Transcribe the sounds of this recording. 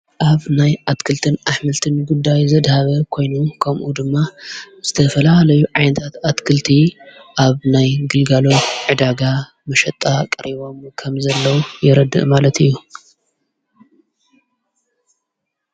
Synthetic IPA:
ʔaβnajʔat̪kʰɨlt̪ʰɨnʔaħmɨlt̪ʰɨnɡud̪ːajzɐd̪haβɐkʰo̞jnukʰɐmʔud̪ɨmːa | z̥ɨt̪ʰɐfɐlahlɐjuʕajnɐt̪ʰat̪at̪kʰɨlt̪ʰiʔaβnajɡɨlɡalo̞t̪ʕɨd̪aɡa | mɐʃɐt̪ʼːakʼɐɾiβo̞mkʰɐmzɐlːɐwujɪɾɐd̪ɨ̰ʔmalɐt̪ʰɨjːu

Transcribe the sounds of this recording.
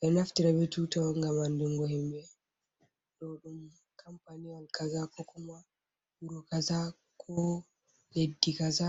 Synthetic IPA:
ʔɛnaftiɾabɛtutɔŋɡamandɛŋɡɔhɛmbɛ | ɗɔɗum | kʰampanijalkazakɔkɔma | wuɾɔkaza | kʰɔ | ledːikaza

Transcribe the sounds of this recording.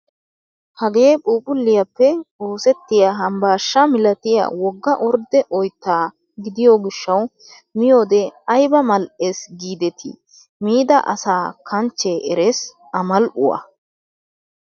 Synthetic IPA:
hɐɡe̞ːpʼuːpʼʊlːɪjɐpːɛoːsɛt̪ːɪjaɦɐmbaːʃːɐmɪlɐt̪ɪja̰wɔɡːɐʔɔɾd̪ɛʔɔjt̪ːaː | ɡɪd̪ɪjoːɡɪʃːɐw | mɪjo̞ːd̪ɛɐjbɐmɐlʔeːsɡiːd̪ɛt̪ʰɪ̰ | miːd̪ɐ̰ʔɐ̰saːkʰɐnt͡ʃːeʔɛɾes | ɐmɐlʔʊ̰wɐ̰

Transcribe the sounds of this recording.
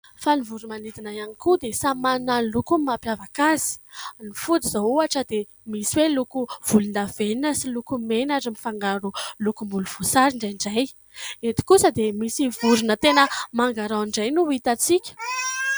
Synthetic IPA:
fanivuɾumanid̪inajanikud̪esamananlukumapjavakazi̥nifud̪izowuaʈ͡ʂəd̪e | misiwelukuv̥ulund̪avenəsilukumenaɖ͡ʐimifaŋɡaɾulukumbuluv̥usaɾiɳɖ͡ʐajɳɖ͡ʐaj | et̪i̥kusəd̪emisivuɾunət̪enəmaŋɡaɾawɳɖ͡ʐajnuit̪at͡sikʲə̥

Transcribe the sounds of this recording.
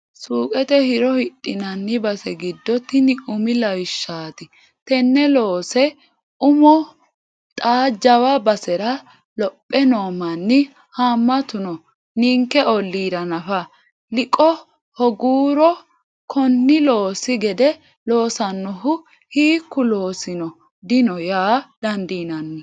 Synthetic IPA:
suːkʼɛt̪ɛhɪɾɔhɪtʼːɪnɐnːɪbɐsɛɡɪd̪ːɔt̪ːɪnɪʊmɪlɐwɪʃːaːt̪ɪ | t̪ɛnːɛloːsɛ | ʊmɔ | t̪ʼaːd͡ʒɐwɐbɐsɛɾɐ | lɔpʼːɛnoːmɐnːɪ | haːmːɐt̪ʊnɔ | niːŋkːɛɔlːiːɾɐnɐfɐ | lɪkʼːɔ | hɔɡuːɾɔ | kʰɔnːɪloːsɪɡɛd̪ɛ | lo̞ːsɐnːɔɦʊ | hiːkːʊloːsɪnɔ | d̪ɪnɔjaːd̪̥ɐnd̪iːnɐnːɪ

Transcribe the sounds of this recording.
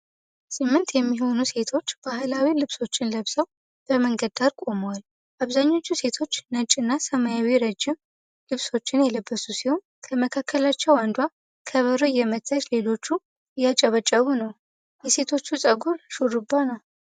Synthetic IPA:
sɨmːɨnt̪jɛmːiɦonuse̞t̪ʰo̞t͡ʃːb̥aɦlawilɨβso̞t͡ʃːɪnləβsəw | b̥əməŋɡəd̪aɾkʼo̞mwal | ʔaβzaɲːo̞t͡ʃːuse̞t̪ʰo̞t͡ʃːnət͡ʃʼːɨnːasəmajawiɾəd͡ʒːɪm | lɨβso̞t͡ʃːɪnjɛləbːəsusiho̞n | kʰəməkʰakʰːəlat͡ʃːɛwand̪wa | kʰəβəɾujɛmət̪ʰːat͡ʃle̞lo̞t͡ʃːu | jat͡ʃʼɛβət͡ʃʼəβunəw | jɛse̞t̪ʰo̞t͡ʃːusʼəɡuɾʃuɾɨbːanəw

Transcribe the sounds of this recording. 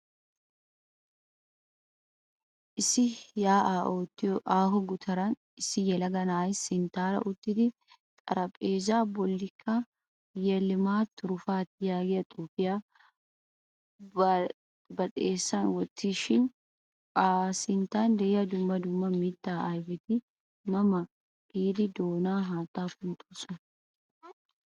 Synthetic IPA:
ʔɪsɪjaːʔat̪ːaːɦɔɡʊt̪ʰɐɾɐn | ɪsɪjɛlɐɡɐnaːɪsɪnt̪aːɾɐ̰ʔʊt̪ːɪd̪ɪ | t̪ʼɐ̰ɾɐpʼeːd͡ʒaːbɔlːɪkʰːa | jɛlːɪmaːt̪ʰːʊɾʊfaːt̪ɪjaːɡɪɐt̪ʼuːpɪjaː | bɐt̪ʼeːsːɐnwɔt̪ʰːiʃɪn | asɪnt̪aːnd̪ɛjɐd̪ʊmːɐd̪ʊmːɐmiːt̪ːaːajbɪt̪ɪ | mɐmɐ | ɡ̥iːd̪ɪd̪oːnaːɦaːt̪aːkʊnt̪ʼʊ̥sʼʊ

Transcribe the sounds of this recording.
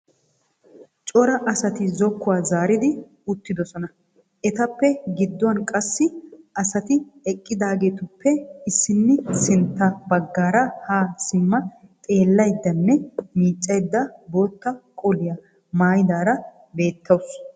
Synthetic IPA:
t͡ʃʼɔɾɐʔɐsɐt̪ɪzɔkːʊwaːzaːɾɪd̪ɪ | ʊt̪ːɪd̪ɔsɔnɐ | ʔɛt̪ɐpːɛɡɪd̪ːɔwɐnkʼɐsːɪʔɐsɐt̪ɪɛkʼːɪd̪aːɡe̞ːt̪ʊpːɛɪsːɪnːɪsɪnt̪ːɐbɐɡːaːɾɐhaːsɪmːɐt̪ʼe̞ːlːɐjd̪ːɐnːɛmiːt͡ʃʼːɐjd̪ːɐbo̞ːt̪ːɐkʼɔlɪjɐ | maːjɪd̪aːɾɐ | be̞ːt̪ʰːɐws

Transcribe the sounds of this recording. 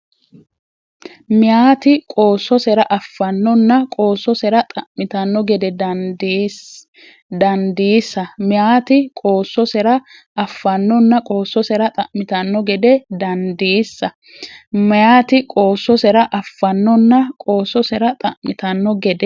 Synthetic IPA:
mɪjaːt̪ɪkʼo̞ːsːɔsɛɾɐʔɐfːɐnːɔnːɐkʼo̞ːsɔsɛɾɐt̪ʼɐʔmɪt̪ɐnːɔɡɛd̪ɛd̪d̪ | d̪ɐnd̪iːsːɐmɪjaːt̪ɪkʼoːsːɔsɛɾɐʔɐfːɐnːɔnːɐkʼo̞ːsːɔsɛɾɐt̪ʼɐʔmɪt̪ɐnːɔɡɛd̪ɛd̪ɐnd̪iːsːɐ | mɐjaːt̪ɪkʼo̞ːsːɔsɛɾɐʔɐfːɐnːɔnːɐkʼoːsɔsɛɾɐt̪ʼɐʔmɪt̪ɐnːɔɡɛd̪ɛ

